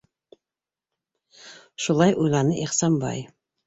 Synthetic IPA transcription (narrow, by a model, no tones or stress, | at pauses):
ʃulˠɑjʔujlˠɑnɤʔiχsɑmbɑ̰j